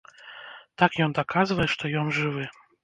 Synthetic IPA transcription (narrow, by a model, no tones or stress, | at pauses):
t̪akjɔnd̪akʰazvɐjɛʂt̪ɔjɔnʐɨvɨ